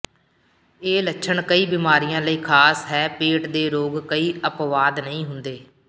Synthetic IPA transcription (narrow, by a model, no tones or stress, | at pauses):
eːlətːʃʰəɳkəiːbiːmaːɾijãːləiːkʰaːsɦɛːpeːʈd̪eːɾoːɡkəiːəpʋaːd̪nəɦĩːɦʊnd̪eː